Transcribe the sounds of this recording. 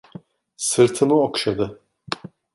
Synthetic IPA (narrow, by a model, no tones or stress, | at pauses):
sɯɾt̪ʰɯmɯokʃad̪ɯ